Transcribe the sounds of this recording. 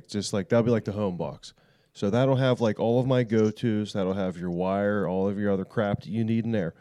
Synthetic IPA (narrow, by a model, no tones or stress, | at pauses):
k̚d̥ʒ̥ʌst̚ˡlaɪk̚ðəl̩ˠbilaɪk̚ðəɦõʊ̃mbɑ̰ksː | oʊðəɾl̩ˠɨvlaɪkɔlˠʌvmaɪɡoʊtʰʉzðəɾl̩ˠəvjə˞waɪə˞ɔlˠʌvjə˞ʌðə˞kʰɹ̥æp̚ɨniɾn̩ðə˞